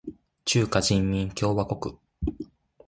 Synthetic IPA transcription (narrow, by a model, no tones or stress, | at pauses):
t͡ɕɨːkaʑĩmːʲĩŋkʲo̞ːβako̞kɯ̟